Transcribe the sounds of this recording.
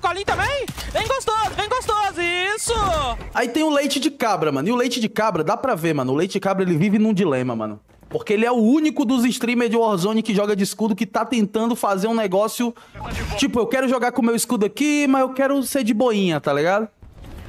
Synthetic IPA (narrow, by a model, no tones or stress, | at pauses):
kalĩt̪ɐ̃mẽj̃vẽj̃ɡost̪ozʊvẽj̃ɡost̪ozʊisʊait̪ẽj̃ʊlejt͡ʃɪd͡ʒɪkabɾɐmɐ̃nʊiʊlejt͡ʃɪd͡ʒɪkabɾɐd̪apɾɐvemɐ̃nʊlejt͡ʃɪd͡ʒɪkabɾɐelɪvivɪnũd͡ʒilẽmɐmɐ̰̃nʊ̰ | poɾkeelɪɛʊũnikʊd̪ʊziʃt̪ɾĩmeɾd͡ʒɪɔɾzõnɪkɪʒɔɡɐd͡ʒɪiskud̪ʊkɪt̪at̪ẽnt̪ɐ̃nd̪ʊfazeɾũnɛɡɔsjʊ | t͡ʃipʊewkɛɾʊʒɔɡaɾkõmewiskud̪ʊakimɐzewkɛɾʊseɾd͡ʒɪboĩɲɐt̪aliɡad̪ʊ